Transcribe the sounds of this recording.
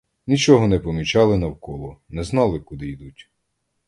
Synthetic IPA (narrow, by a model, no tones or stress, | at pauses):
nʲit͡ʃɔɦɔnɛpɔmʲit͡ʃɑlˠɪnɐwkɔlˠɔnɛznɑlˠɪkud̪ɪjd̪utʲ